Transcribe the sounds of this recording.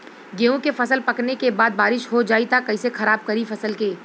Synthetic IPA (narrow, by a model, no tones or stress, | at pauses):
ɡeːũkefɐsəlpɐknekebaːd̪̚baːɾɪʃɦod͡ʒaːit̪akɐisexɐɾaːb̚kɐɾifɐsəlkeː